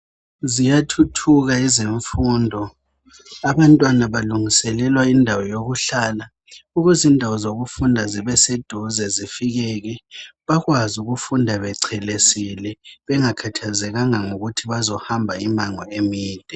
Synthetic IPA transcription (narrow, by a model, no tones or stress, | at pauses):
zijatʰutʰuɣaiziɱfuːndʱɔ | aβantʼwanaβaluŋisɛlɛlwaindʱawɔjoɣuɬaːla | uɣuzindʱawɔzoɣufundʱaziβɛsed̥ʱuzɛzifiɣɛɣɛβaɣwazuɣufundʱaβɛǀʰɛlesilɛβɛŋakʰatʰazɛɣaŋaŋoɣutʰiβazɔhambʱaimaŋɔemiːd̥ʱɛ